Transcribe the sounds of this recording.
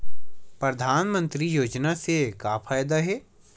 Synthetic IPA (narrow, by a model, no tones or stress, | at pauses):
pɾɐd̪ʱaːnmə̃nt̪ɾijoːd͡ʒnasekaːfʰaːjd̪aɦɛː